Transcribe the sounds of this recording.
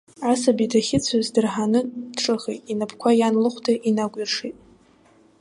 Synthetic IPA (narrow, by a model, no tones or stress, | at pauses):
asabidaχʲɪt͡sʷʰazdɨrħanɨdʈ͡ʂʼɨχejtʼinapʰkʷʰajanlɨχʷtʰaʔinaɡʷʼirʂijtʼ